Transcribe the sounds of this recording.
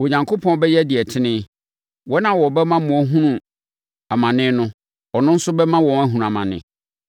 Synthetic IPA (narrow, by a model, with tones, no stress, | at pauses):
wo˨ɲã˨ŋkʰo˦pʰɔ̃˦bɛ˦jɛ˦dɪ˨ɛ˨tʰɪ˦nɪ̃˦ | wɔ˦nã˨wɔ˨bɛ˦mã˦mʊ̃˨ɔ˦ɦũ˦nũ˨ | a˨mã˨nɪ̃˦nʊ̃˦ | ɔ˨nʊ̃˦n̩˦sʊ˦bɛ˦mã˦wɔ̃˨næ˦ɦũ˨ũ˨a˨mã̰˨nɪ̰̃˨